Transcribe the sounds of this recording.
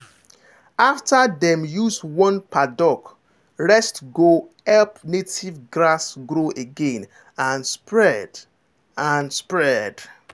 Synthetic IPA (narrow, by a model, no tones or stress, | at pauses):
aftadɛ̃mjuswɔ̃npʰadɔk | ɹɛstɡohɛlpnetʰivɡɹasɡɾoʔeɡẽn | ãnspɹɛd | ãnspɹɛd̥